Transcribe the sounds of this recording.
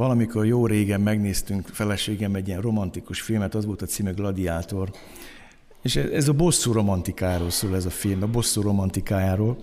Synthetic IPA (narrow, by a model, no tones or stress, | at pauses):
vɒlɒmiko̞rjoːɾeːɡɛmːɛɡneːst̪yŋkfɛlɛʃeːɡɛmɛɟːiɛnro̞mɒnt̪ikuʃfilmɛt̪ɒzʋolt̪ɒt̪siːmyɡlɒd̪iaːt̪o̞r | eːʃɛɛzɒbo̞sːuːɾo̞mɒnt̪ikaːjaːɾoːlsoːlɛzɒfilmɒbo̞sːuːɾo̞mɒnt̪ikaːjaːɾoːl